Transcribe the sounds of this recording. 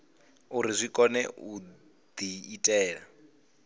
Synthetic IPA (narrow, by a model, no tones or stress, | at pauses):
uɾizʷikʼɔnɛu | d̪iːtʼɛːɺa